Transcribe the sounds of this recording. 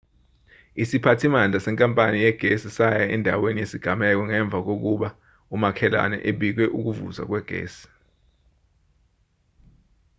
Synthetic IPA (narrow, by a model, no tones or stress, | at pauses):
isipʰatʰimand͡ɮʱasɛŋkʼampʼanijɛɡ̥ʱesisajaɛndʱawenijesiɡ̥ʱamɛk̬ɔŋɛɱb̪vʱak̬ok̬uɓa | umakʰɛla̰nɛ̰ʔeɓik̬wɛʔuk̬uvṵza̰k̬wɛɡ̥ʱḛːsi̥